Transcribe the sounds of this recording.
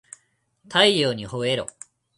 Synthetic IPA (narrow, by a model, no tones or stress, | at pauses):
t̪ʰaijoːɲ̟ihoeɾo̰